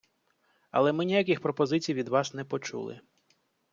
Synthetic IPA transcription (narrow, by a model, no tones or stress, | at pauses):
ɐ̰lˠɛmɪnʲijak̬ʲɪxpɾɔpɔzɪt͡sʲijʋʲid̪ʋɑsnɛpɔt͡ʃṵlˠɪ̰